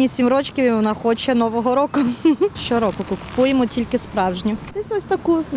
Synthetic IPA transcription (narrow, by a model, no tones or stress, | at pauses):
nʲisʲimɾɔt͡ʃkʲɪʋɪɔnaxɔt͡ʃɛnɔʋɔɦɔɾɔkʊʃt͡ʃɔɾɔkɔkʊkʊ̥pujemɔtʲilʲkɪspɾɑwʒnʲɔt̪ɪsʲɔsʲt̪ɐku